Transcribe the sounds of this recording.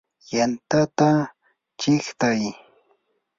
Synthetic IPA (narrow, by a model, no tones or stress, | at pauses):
jant̪at̪a | t͡ʃɪχt̪aj